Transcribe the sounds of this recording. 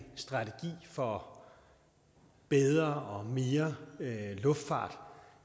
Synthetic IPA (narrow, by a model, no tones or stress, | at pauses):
sd̥ʁɑ̈t͡sʰeɡ̥ḭːfɒ̽ | b̥eð̞ˠʁɐʔɒ̽me̝ːɐ | lɔ̽fd̥fɑ̰̈ːd̥